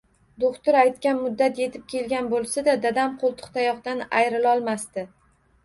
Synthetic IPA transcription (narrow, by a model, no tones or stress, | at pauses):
d̪oχt̪ʊɾajt̪kʲanmʊd̪ːat̪je̞t̪ʰɪp̚kʲʰe̞lɡʲanbolˠsad̪ad̪ad̪amqʰolˠt̪ʰʊ̥χt̪ʰajɒqd̪anajɾɪlɒlˠmast̪ɪ